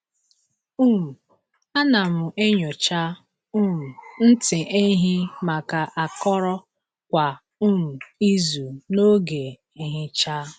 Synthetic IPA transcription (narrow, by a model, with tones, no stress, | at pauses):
u˦˨ | a˦na˨m̩˨ʔe˦ɲo˨t͡ʃa˦ | u˦˨n̩˦tɪ˨ʔe˦ɦɪ˦ma˨ka˨ʔa˨kɔ˦ɾɔ˦ | kʷa˨ | u˦˨i˦zu˨no˦ɡe˨ | e˨ɦɪ˦t͡ʃa˦